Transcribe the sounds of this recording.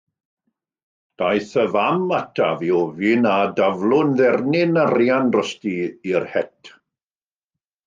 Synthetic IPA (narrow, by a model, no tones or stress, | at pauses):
d̥ajθəvamatʰaviɔvɪnadavlˠʊnðɛrnɪnarjanrɔstiirhɛtʰ